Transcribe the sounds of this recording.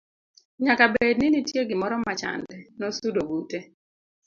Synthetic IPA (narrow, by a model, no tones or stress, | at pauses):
ɲakabednɪnitjeɡɪmɔɾɔmat͡ʃa̰ndɛnɔsudoɡute